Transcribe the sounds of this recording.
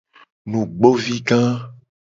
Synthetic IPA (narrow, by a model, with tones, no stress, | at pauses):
nũ˨ɡ͡bo˦vi˦ɡã˦